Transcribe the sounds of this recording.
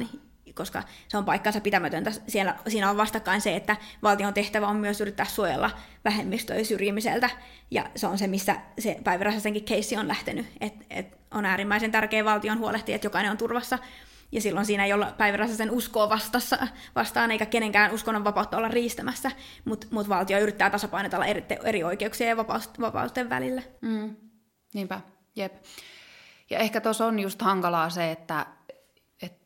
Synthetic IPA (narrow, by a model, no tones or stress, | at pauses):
ni | koskɑ̰seompɑikːɑnsɑpit̪æmæt̪ønt̪æsielːæ̰siːnæoʋʋɑst̪ɑkːɑinseet̪ːæʋɑlt̪ioːnt̪eht̪æʋæommyøsyrit̪ːæːssuojḛlːɑ̰ | ʋæhemːist̪ø̰isyrjimisḛlt̪æ | jɑ̰seonsemisːæ̰sepæiʋeræsɑseŋkikkeisːionlæht̪enyet̪ḛt̪ | onæːɾimːæisent̪ærkeːʋɑlt̪ionhuoleht̪iet̪jokɑineont̪urʋɑsːɑ | jɑsilːonsiːnæejolːɑpæjʋeræsːæsenuskoːʋɑst̪ɑsːɑ | ʋɑst̪ɑːneikækeneŋkæːnuskonːoʋʋɑpɑut̪ːɑolːɑrriːst̪æmæsːæ | mut̪mut̪ʋɑlt̪ioyrit̪ːæːt̪ɑsɑpɑinet̪elːɑ̰erit̪ːḛeɾioikeuksiɑjɑʋɑpɑ̰ust̪ʋɑpɑ̰ust̪eʋʋæ̰lilːæm̩ː | niːmpæ | jep | jɑ̰ehkæt̪osonjust̪hɑŋkɑlɑːseet̪ːæ | et̪